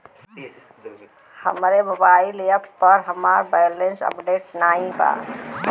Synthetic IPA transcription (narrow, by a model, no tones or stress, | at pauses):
hə̰mɾebəbailejəppːəɾɦəmaːɾbajlensə̰pɖeːʈnaːĩpa̰